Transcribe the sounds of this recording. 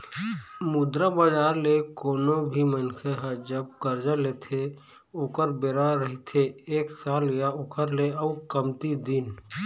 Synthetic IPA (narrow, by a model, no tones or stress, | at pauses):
mʊd̪ɾabaːd͡ʒaːɾlekoːnobʱimənkʰeɦə̃d͡ʒəb̚kəɾd͡ʒəleːt̪ʰe | oːkəɾbeːɾaɾəɦit̪ʰeeːksaːlɪjaoːkəɾleəukəmt̪id̪in